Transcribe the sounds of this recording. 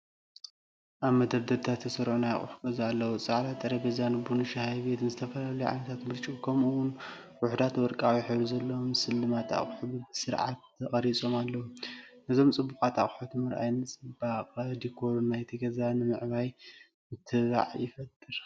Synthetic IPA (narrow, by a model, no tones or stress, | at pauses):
ʔaβmɐd̪ɐɾd̪ɐɾt̪ʰat̪ʰːɐsɐɾʕonaja̰χʼʊ̰ħu̥kʼɐzaːlːɐwut͡sʼaʕlat̪ʼːɐɾɐɡɐzanɨbunɨʃahajβet̪nɨzɨt̪ʰɐfɐlalɐjuʕa̰nɐt̪ʰat̪mɨɾt͡ʃʼukʰɐmuwʊn | wʊħd̪at̪wɔɾkʼawiħɨβɾuzɐlːɐwomsɨlːɨmat̪ʰa̰χʼħubɨsɨɾʕa̰t̪ɐχʼɐɾit͡sʼo̞malːɐwunɨzo̞mt͡sʼɨbːukʼat̪ʰa̰χʼħut̪ʰɨmɨɾʔa̰jnɨt͡sʼɨbaqʼd̪ikʰo̞ɾnajt̪ʰiɡɐzanɨmɨʕβaj | mɨt̪ʰɨβa̰ʕjɪfɐt̪ʼːɨɾ